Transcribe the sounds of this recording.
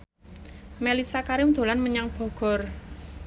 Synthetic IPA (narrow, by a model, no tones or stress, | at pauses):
melisakaɾɪmd̪̥o̤lanməɲaŋb̥ɔ̤ɡ̥ɔ̤r